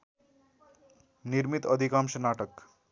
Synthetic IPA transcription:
niɾmit̪əd̪ʱikamɕənaʈək

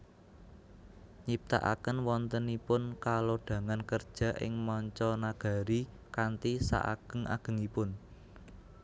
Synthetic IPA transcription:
ɲip̚t̪a̰ʔa̰kənwɔnt̪ənipʊnkaloɖ̥ä̤ŋankərd̥ʒ̥a̤ʔɪ̰ŋmɔɲt͡ʃɔnaɡ̥ä̤ɾi | kant̪isa̰ʔa̰ɡ̥ə̤ŋʔa̰ɡ̥ə̤ŋipʊn

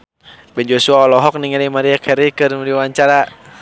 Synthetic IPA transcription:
bɛnd͡ʒosuaɔlɔɦɔk̚niŋɛlimaɾiakʰɛɾikɨrmɾiwaɲt͡ʃaɾa

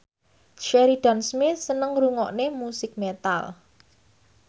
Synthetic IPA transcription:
ʃɛɾiɖ̥a̤nsmɪθsənəŋɾuŋɔʔnemusɪk̚met̪a̰l

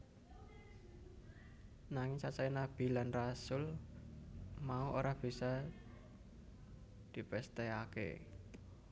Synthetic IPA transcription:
naŋɪŋt͡ʃat͡ʃainab̥i̤lanrasʊl | mauʔoɾahb̥i̤sa | d̪̥i̤pɛst̪ɛakḛ

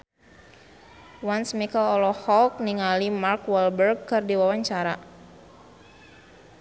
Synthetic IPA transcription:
wansmikəlɔlɔhɔlk̚niŋalimarkwɛlbərɡkɨrdiwawaɲt͡ʃaɾa

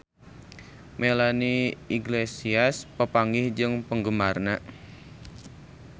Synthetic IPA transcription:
melaniiɡlesiaspəpaŋɡɪhd͡ʒɨŋpəŋɡəmarna

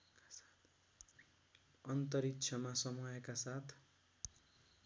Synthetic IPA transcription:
ʌnt̪ʌɾitt͡sʰʌmasʌmʌjʌkasat̪ʰ

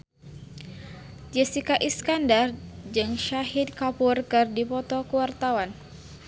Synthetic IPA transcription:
d͡ʒɛsikaʔiskandard͡ʒɨŋʃaɦit̪̚kapurkɨrdipɔt̪ɔkəwart̪awan

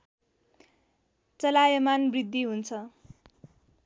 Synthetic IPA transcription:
t͡sʌlajʌmanbrid̪ʱːiɦunt͡sʰʌ

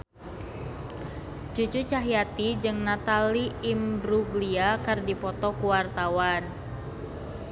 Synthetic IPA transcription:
t͡ʃut͡ʃut͡ʃaɦijat̪id͡ʒɨŋnat̪aliimbɾuɡliakɨrdipɔt̪ɔkuwart̪awan

